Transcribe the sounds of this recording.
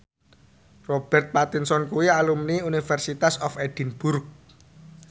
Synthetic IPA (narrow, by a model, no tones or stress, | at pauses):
rɔb̥ɛ̤rt̪̚pat̪insɔnkuwialumniunifɛrsit̪asɔfed̥i̤nb̥urk̚